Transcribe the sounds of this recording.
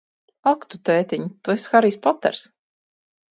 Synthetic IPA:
akt̪ut̪ɛːt̪iɲut̪uesxaɾiːspɔt̪ːɛ̰ɾs

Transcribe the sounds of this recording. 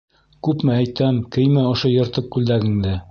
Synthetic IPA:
kʉpmææjt̪æmkɘ̆jmæŏʃojŏɾt̪ɤq̚ːʉld̪æɡɘ̆ŋd̪ɘ

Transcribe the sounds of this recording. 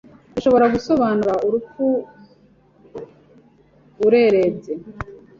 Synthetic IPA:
uʃo̞βo̞ɾaɡuso̞βaːnuɾaʔuɾup͡fu | uɾe̞ɾeze

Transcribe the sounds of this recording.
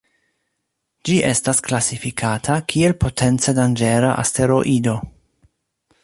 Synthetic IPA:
d͡ʒiʔe̞stasklasifikʰatʰakʰie̞lpo̞tʰe̞nt͡se̞dand͡ʒe̞ɾaʔa̰ste̞ɾo̞ʔido̞

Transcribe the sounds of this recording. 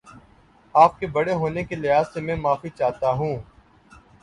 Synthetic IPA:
aːp̚kebɐɽeɦoːnekelɪɦaːzsemɛ̃ːmaːfit͡ʃaːt̪aɦũː

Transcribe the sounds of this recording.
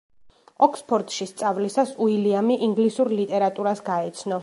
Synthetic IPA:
ɔkʰspʰɔɾt̪ʼʃist̪sʼavlisasuiliamiʔiŋɡlisuɾlit̪ʼɛɾat̪ʼuɾasɡaɛt̪sʰnɔ

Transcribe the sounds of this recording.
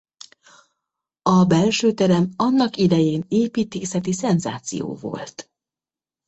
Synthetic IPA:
ɒbɛlʃøːt̪ɛɾɛmɒnːɒkid̪ɛjeːneːpiːt̪eːsɛt̪isɛnza̰ːt̪sḭjo̰ːvo̞̰lt̪

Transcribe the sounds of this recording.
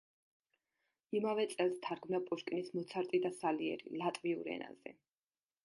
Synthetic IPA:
imavɛt̪sʼɛlˠst̪ʰaɾɡmnapʼuʃkʼinismɔt̪sʰaɾt̪ʼid̪asaliɛ̰ɾḭlat̪ʼviṵɾɛ̰na̰zɛ̰

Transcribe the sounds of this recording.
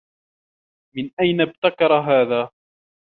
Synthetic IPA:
mɪnʔajnab̚t̪akɑɾˤɦaːðaː

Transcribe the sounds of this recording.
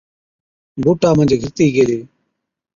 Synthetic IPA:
boːʈaːmə̃nd͡ʒɡʱəɾt̪iːɡeːleː

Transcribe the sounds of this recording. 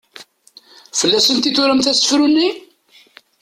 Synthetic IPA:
fəlːæsənt̪it̪ʊɾəmθæsə̥fɾunːi

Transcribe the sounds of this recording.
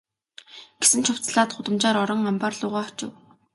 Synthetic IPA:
ɡ̥esɘ̆nt͡ɕʰʊw̥t͡sɮaːt̪χʊt̪ə̆mt͡ɕaːɾɔɾɞ̆ŋampaːrɮʊːʁaːɔ̥t͡ɕɪ̰̆w

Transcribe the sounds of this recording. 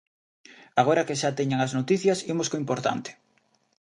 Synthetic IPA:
aɣoɾɐkeʃat̪eɲaŋaznot̪iθjɐsimoskoimpoɾt̪a̰nt̪ɪ̥

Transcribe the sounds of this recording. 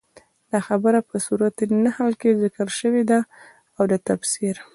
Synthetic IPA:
laxabəɾapəsuɾat̪nahalkezɪkəlʃəwed̪a | awd̪ət̪afsiɾ

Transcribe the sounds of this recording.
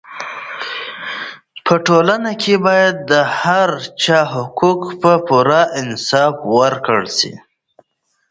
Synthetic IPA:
pəʈolanakʰebɑjad̪̚ːəhaɾt͡ʃɑɦʊkukpəpuɾaʔɪnsɑfwəɾkəɽsḭ

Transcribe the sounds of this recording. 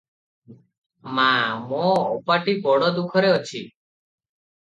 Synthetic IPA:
mamoːpaʈibɔɽɔd̪ukʰɔɾeɔt͡ʃʰi

